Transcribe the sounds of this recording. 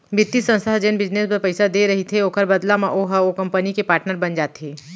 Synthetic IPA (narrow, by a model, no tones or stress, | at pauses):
bɪt̪ːisə̃nst̪aɦd͡ʒenbɪd͡ʒneːsbɐɾpɐɪsad̪eɾɐɦit̪ʰeoːkəɾbɐd̪lamãʔoɦaokɐ̃mpənikepaːɾʈnəɾbɐnd͡ʒaːt̪ɦeː